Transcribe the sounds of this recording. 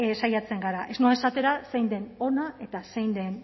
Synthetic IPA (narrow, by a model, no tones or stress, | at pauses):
sajat͡se̞ŋɡaɾaʔe̞znoesat̪e̞ɾase̞jnd̪e̞no̞nae̞t̪asejnd̪e̞n